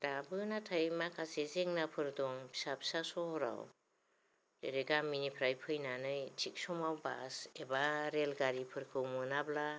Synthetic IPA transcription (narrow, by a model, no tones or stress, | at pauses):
d̥abɯnatʰajmakʰasezeŋnapʰɯɾdɔŋbʰi̥sabʰi̥sasɔhɔɾa̰w | deɾeɡaminipʰɾajpʰɯjnanɯjt͡ʃʰik̚sɔmawba̰sebaɾelɡaɾipʰɯɾkʰɯwmɯnabla